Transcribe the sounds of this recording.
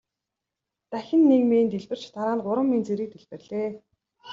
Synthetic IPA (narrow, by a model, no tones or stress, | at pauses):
t̪æxʲɪ̆nːekmeːnt̪eɮpɘ̆r̥t͡ɕt̪ʰaɾaːnɢʊɾə̆mːint͡seɾiːk̚t̪eɮpɘ̆rɮeː